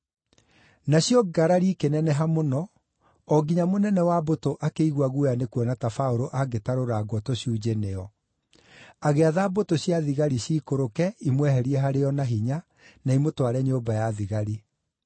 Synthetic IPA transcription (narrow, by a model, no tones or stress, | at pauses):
naɕjɔɡaɾaɾikenɛnɛɦamonɔ | ɔɡiɲamonɛnɛwabotoʔakeiɣwaɣujanekwɔnatafaoɾoʔaɡetaɾoɾaɡwɔtoɕjuːd͡ʑeneɔ | aɣeaðaːbotoɕjaðiɣaɾiɕiːkoɾokɛimwɛɦɛɾiɛɦaɾeɔnaɦiɲa | naimotoaɾɛɲobajaðiɣaɾi